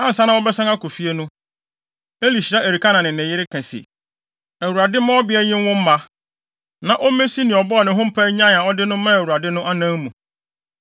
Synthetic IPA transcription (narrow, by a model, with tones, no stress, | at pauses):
ã˦n̩˨sa˦nã˦wɔ˦bɛ˦sã˦ŋa˦ko˨fi˦e˦nʊ̃˦ | e˦li˨ɕi˨ɾa˦ʔe˨ɾi˨kʰa˦nã˨nɪ̃˨n˨ɪ̃˨jɪ˦ɾɪ˦kʰɛ̃˨sḭ˨ | æ˨wu˨ɾa˨dɪ˦mã˦ɔ˦bɪ˦ɛ˦ɲɪ̃˦n˦wʊ̃˦m̩˦mã˦ | nã˨ʔɔ˦mẽ˦si˦nɪ̃˨ɔ˨bɔ˦ɔ˨nɪ̃˨ɦʊ̃˦m̩˦pʰa˦ɲã˦˨ã˨ɔ˦dɪ˦nʊ̃˦mã˦æ˨wu˨a˨dɪ˦nʊ̃˦ʔa˦nã˦mũ˨